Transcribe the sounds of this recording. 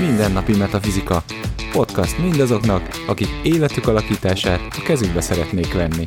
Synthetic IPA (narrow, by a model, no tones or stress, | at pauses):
mind̪ɛnːɒpimɛt̪ɒfizikɒ | po̞t̪kɒst̪mind̪ɒzo̞knɒk | ɒkikeːlɛt̪ykɒlɒkiːt̪aːʃaːt̪ɒkɛzyɡbɛsɛɾɛt̪neːkʋɛnːi